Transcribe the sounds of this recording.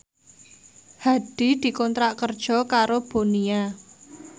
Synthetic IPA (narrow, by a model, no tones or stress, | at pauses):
haɖ̥i̤d̪̥i̤kɔnt̪ɾaʔkərd̥ʒ̥ɔ̤kaɾob̥o̤nia